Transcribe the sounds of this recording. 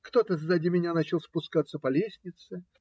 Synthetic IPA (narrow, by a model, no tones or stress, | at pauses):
kt̪o̞t̪əzːadʲimʲɪnʲanat͡ɕɪlˠspʊskat̪sːəpɐlʲesʲnʲɪt̪sɨ